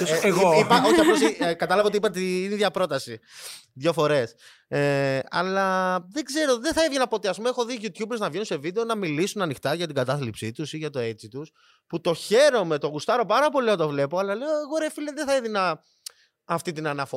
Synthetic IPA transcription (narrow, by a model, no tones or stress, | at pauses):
oipɐoçiɐfplosikɐt̪ɐlɐvɐot̪iipɐt̪einiðʝɐpɾo̞t̪ɐsiðʝo̞fo̞ɾe̞s | eɐlɐðe̞ɡze̞ɾo̞ðeθɐeðʝinɐpo̞t̪eɐspumeexo̞ðiʝut̪çubeɾznɐvʝenunse̞vid̪eonɐmilisunɐnixt̪ɐʝɐt̪iɡɐt̪ɐθlipsit̪usiʝɐt̪o̞et͡sit̪us | put̪o̞çe̞ɾo̞me̞t̪oɣust̪ɐɾo̞pɐɾɐpo̞liond̪ɐvle̞po̞ɐlɐle̞oeɣo̞ɾefilenðeθɐeðinɐː | ft̪it̪inɐnɐfo